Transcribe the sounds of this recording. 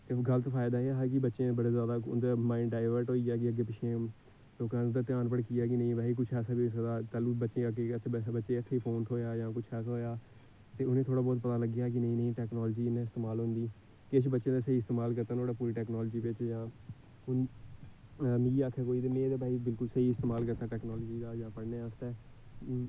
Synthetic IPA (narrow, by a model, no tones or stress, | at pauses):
t̪eːɡələt̪pʰaːɪd̪aːeːaːɦaːk̬ɪbətːʃẽːbəɽeːzjaːd̪aːʊd̪aːmãːɪɳɖaːɪʋəɾʈɦoːiːaːk̬ɪəɡeːpɪʃʰeːm | loːkãːnd̪aːt̪jaːnpəɳkɪjaːk̬ɪnəĩːʋɛːiːkʊt͡ʃʰɛːsaːbisəd̪aːt̪aːluːbətːʃẽːkeːbətːʃẽːɪt̪ʰːeiːpʰoːnt̪ʰoːjaːjãːkʊt͡ʃʰəkʰɦoːjaː | t̪eːʊnẽːt̪ʰoːɽaːbɔːt̪̚pət̪aːləɡjaːk̬ɪnəĩːnəĩːʈɛːknoːlːd͡ʒiːɪnẽːɪst̪eːmaːlɦʊ̃nd̪iː | kɪt͡ʃʰbətːʃẽːd̪aːsəiːɪst̪eːmaːlkəɾt̪aːnoːɽaːpuːɾiːʈɛːknoːlːd͡ʒiːʋɪt͡ʃjãː | ʊn | miiaːkʰɛːkoːiːd̪eːmẽːd̪aːbaːiːbɪlkʊlsəɦiːɪst̪eːmaːlkəɾt̪aːʈɛːknoːlːd͡ʒiːd̪aːjãːpəɽneːaːst̪ɛː